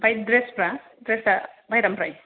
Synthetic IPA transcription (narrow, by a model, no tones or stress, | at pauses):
bajdɾespɾa | dɾesabʱajɾampɾaj